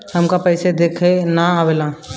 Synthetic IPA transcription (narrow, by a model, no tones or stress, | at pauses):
həmkapəɪsed̪eːkʰenaawelã